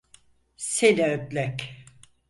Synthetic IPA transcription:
selʲɛøt̪lʲɛk

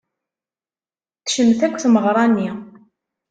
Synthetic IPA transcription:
θʃəmːθækʷːθməʁɾˤɑnːi

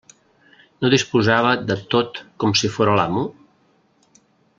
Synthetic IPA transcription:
noðispuzaβ̞əðət̪ot̪kɔmsifoɾəlamu

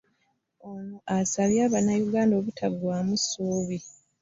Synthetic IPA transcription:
onuʔasaβjaːβanajuɡaːndo̞ːβutʰaɡwaːmusuːβi

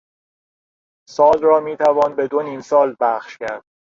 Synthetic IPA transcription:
sɒːlrɒːmiːt̪ʰævɒːnbe̞d̪oniːmsɒːlbæχʃcæɾd̪̥̚

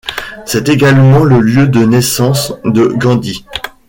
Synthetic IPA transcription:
sɛt̪eɡalmɑ̃ləljød̪ənɛsɑ̃sd̪əɡɑ̃d̪i

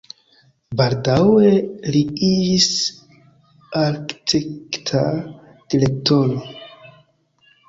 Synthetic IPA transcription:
baldaweliiis | aɾktiktʰa | d̥ilek̚tono

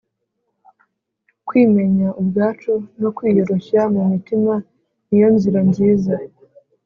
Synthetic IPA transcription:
kwiːme̞ɲaʔubɡaːt͡ʃono̞kwiːjo̞ɾo̞çamumitima | nijo̞nziɾaɲɟiːza

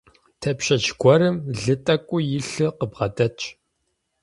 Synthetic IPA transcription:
tʰɐpʃɐt͡ʃɡʷɔɾɨmɮɨtʼɐkʷʼʊjɪɬɨqəbʁɐtʼɐt͡ʃʼ

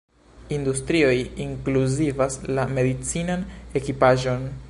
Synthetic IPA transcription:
industɾio̞jiŋkluzivaslame̞dit͡sinane̞kipaʒo̞n

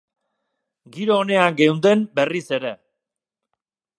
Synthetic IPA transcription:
ɡiɾoːne̞aŋɡe̞wnd̪e̞mbe̞rise̞ɾe̞

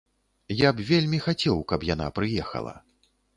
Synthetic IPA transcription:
japvʲelʲmʲixat͡sʲɛwkɐpjana̰pɾɨjɛxɐ̰lˠɐ̰

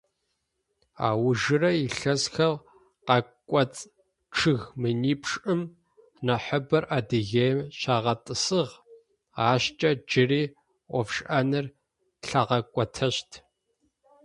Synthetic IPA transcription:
a̰ːwʒɨrɐiɬɐzxɐl | qɐkʷʼɔt͡sʼ | ʈ͡ʂʰɨɣmɨniːpʰʂʼɨm | nɐħəbɐrʔadɨɣejmɕaːʁɐtʼɨsɨʁ | aːɕt͡ʃʼɐd͡ʒɪriː | ʔʷɔfʂʼʔɐnɨr | ɬɐʁɐkʷʼɔtʰɐɕtʰ

